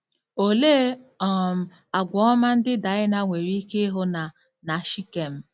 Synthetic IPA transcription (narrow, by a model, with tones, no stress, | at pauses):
o˨le˦ɔ˦˨m̩˨ | a˨ɡʷɔ˨˦ɔ˦ma˦n̩˦dɪ˦da˨˦ɪ˦na˨ŋʷe˨ɾi˦i˦ke˦ɦo˦na˨ | na˨ʃi˦ke˨m̩˦